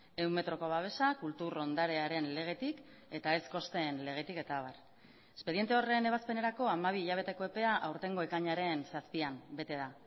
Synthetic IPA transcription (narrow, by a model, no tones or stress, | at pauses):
e̞wme̞t̪ɾo̞ko̞β̞aβ̞e̞sakult̪uro̞nd̪aɾe̞aɾe̞nle̞ɣ̞e̞t̪ik | e̞t̪ae̞sko̞st̪e̞nle̞ɣ̞e̞t̪ike̞t̪aβ̞ar | e̞spe̞ðie̞nt̪eo̞re̞ne̞β̞aspe̞ne̞ɾako̞amaβ̞iːʎaβ̞e̞t̪e̞ko̞e̞pe̞aʔawɾt̪e̞ŋɡo̞e̞kaɲaɾe̞nsaspiambe̞t̪e̞ða